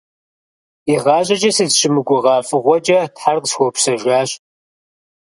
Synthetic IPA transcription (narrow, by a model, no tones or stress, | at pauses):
iʁɑːʑʼɐd͡ʒɐsɨzɕɪmɨɡʷʊʁɑːfʼɨʁʷɔd͡ʒɐtħarqswʷɔpʰsɐʒʷaːɕʼ